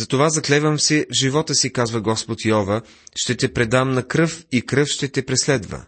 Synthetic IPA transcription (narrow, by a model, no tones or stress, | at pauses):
zɐt̪ovazɐklɛvəmsivʒivɔt̪əsikazvəɡɔspot̪jɔvə | ʃt̪ɛt̪ɛpɾɛd̪amnɐkɾɤfikɾɤfʃt̪ɛt̪ɛpɾɛslɛd̪və̰